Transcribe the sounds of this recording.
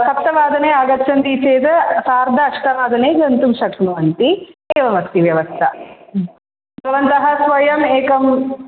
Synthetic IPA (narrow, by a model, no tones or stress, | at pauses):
sɐp̚t̪ɐʋaːd̪ɐneːaːɡɐtːt͡ʃʰːɐnd̪it͡ʃeːt̪ɐsaːɾd̪ʱɐːʂʈɐʋaːd̪ɐneːɡɐnt̪umʃɐkʰnɐʋɐnt̪ieːʋɐmɐst̪iʋjɐʋɐst̪ʰɐ | bɐʋɐnt̪ɐɦɐsʋɐjɐmeːkɐm